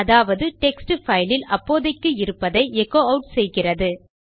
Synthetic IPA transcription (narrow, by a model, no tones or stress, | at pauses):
ɐðaːʋɐðɯʈɛksʈɯfɐɪlɪlɐpːoːðɐɪkːɯɪɾɯpːɐðɐɪʔɛkːoːɐʊʈsɛjɣɪrɐðɯ